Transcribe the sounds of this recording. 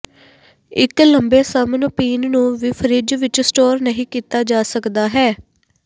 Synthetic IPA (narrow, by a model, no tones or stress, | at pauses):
ɪkləmbeːsəmənpiːnnũːʋiːpʰəɾɪd͡ʒʋɪt͡ʃsʈoːɾnəɦĩːkiːt̪aːd͡ʒaːsəkd̪aːɦɛː